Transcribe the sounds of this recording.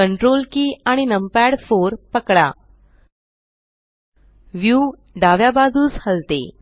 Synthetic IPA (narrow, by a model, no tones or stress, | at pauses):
əɳʈɾolkiːaɽ̃inəmpæɽfoɾpəkɽa | ʋju | ɖaʋjabad͡zʱuːt͡shəlt̪ḛ